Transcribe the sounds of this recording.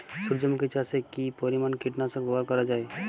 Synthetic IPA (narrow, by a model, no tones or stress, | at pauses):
suɾd͡ʒəmket͡ʃasekipɔɾimaːnkiʈnasə̃ɡboakɔɾad͡ʒae